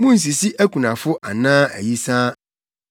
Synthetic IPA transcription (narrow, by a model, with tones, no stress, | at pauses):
mũ˦n̩˨s̬i˨si˦ʔæ˦kʰu˨nã˨fʊ˦ʔa˨nãː˦æ̰˨ji˦sãː˦